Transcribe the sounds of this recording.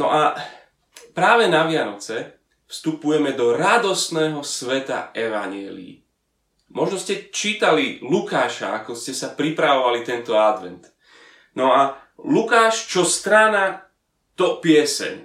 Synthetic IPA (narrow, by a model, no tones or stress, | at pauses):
nɔ̰ʔa | pɾaːʋɛnaʋɪanɔt͡sɛ | fst̪upujɛmɛd̪ɔɾad̪ɔsnɛːɦɔsʋɛt̪a̰ɛʋa̰ɲjɛ̰ːlḭḭ | mɔʒnɔscɛt͡ʃiːt̪alilukaːʃa̰a̰kɔscɛsapɾipɾaʋɔʋalit̪ɛnt̪ɔad̪ʋɛnt̪ | nɔa | lukaːʃt͡ʃɔst̪ɾaːna | t̪ɔpɪɛsɛ̰ɲ